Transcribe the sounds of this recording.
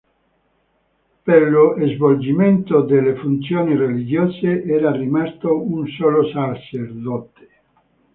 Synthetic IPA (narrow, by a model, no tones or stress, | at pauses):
pelːoezvold͡ʒiment̪od̪elːefunt̪sjoːnirelid͡ʒoːseʔɛːɾarimast̪ounsoːlosat͡ʃerd̪ɔt̪e̥